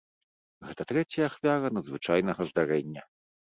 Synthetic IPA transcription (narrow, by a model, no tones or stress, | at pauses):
ɣɛt̪ɐt̪ɾɛt͡sʲjɐːxvʲaɾɐnɐd̪zvɨt͡ʂajnɐɣɐzd̪aɾɛnʲːɐ